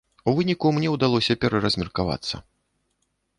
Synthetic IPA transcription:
uvɨnʲikumnʲɛwd̪alˠɔsʲɐpʲɛɾɐɾɐzʲmʲɛrkava̰t̪sːɐ̰

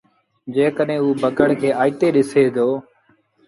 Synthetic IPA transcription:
d͡ʒeːkəɗẽːuːbʱəkəɽkʰeːʔaːiːt̪eːɗɪseːd̪oː

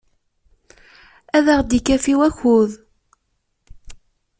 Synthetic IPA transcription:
æðəʁd̪ikːæfiwæçʊð

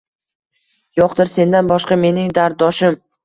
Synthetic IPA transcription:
joqd̪ɪɾse̞nd̪anbɒʃqɑme̞nɪŋd̪aɾ̚ɒʃɪm

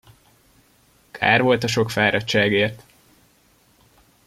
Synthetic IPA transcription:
kʰa̰ːrvo̞lt̪ɒʃo̞kfaːɾɒtt͡ʃːaːɡeːrt̪

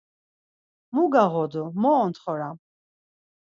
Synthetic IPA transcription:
muɡaʁɔd̪ɔmɔːnt̪χɔɾa

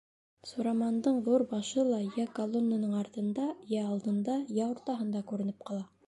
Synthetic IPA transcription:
suɾɑmɑnd̪ɤɴðuɾbɑʃɤlˠɑjækɐlˠonːənɤɴɑɾt̪ɤ̆nd̪ɑjæːlˠd̪ɤ̆nd̪ɑjæoɾt̪ɑɦɤ̆nd̪ɑkʉɾɘ̆nɘp̚qɑlˠɑ

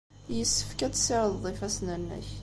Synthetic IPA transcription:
jəsːə̥fkæt͡sːsɪɾəððˤifæsnənːæ̰ç

